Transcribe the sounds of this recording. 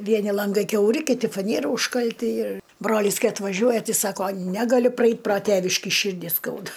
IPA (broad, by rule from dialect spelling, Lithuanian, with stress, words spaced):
ˈʋʲiɛnʲɪ lˠɐŋˈɡɐɪ kʲɛʊˈrʲɪ kʲɪˈtʲɪ fɐˈnʲiɛrɐ ʊʃkɐlʲˈtʲɪ ɪr ˈbroːlʲiːs ˈkɐɪ ɐtʋɐˈʒʲuɔjɛ ˈtʲɪ ˈsɑːkoː ˈnʲæːɡɐlʲʊ prɐˈɛɪtʲ proː ˈtʲeːʋʲɪʃʲkʲiː ˈʃʲiːrʲdʲiː ˈskɐʊdɐ